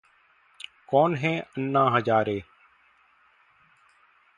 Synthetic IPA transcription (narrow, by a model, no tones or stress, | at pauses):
koːnɦẽːənːãːɦəd͡ʒaːɾeː